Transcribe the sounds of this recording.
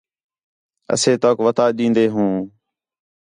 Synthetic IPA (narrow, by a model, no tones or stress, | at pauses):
ə̰seːt̪oːkʋət̪aːɗĩːnd̪eːɦũː